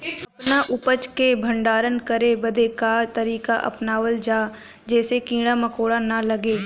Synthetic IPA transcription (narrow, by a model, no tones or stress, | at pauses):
ɐpnaʔʊpət͡ʃkebʱɐ̃ɳɖaːɾənkɐɾebɐd̪ʱekaːt̪ɐɾiːka̰ʔɐ̰pnaːʋəld͡ʒaː | d͡ʒɛːsekĩːɽamɐkoːɽanɐlɐɡeː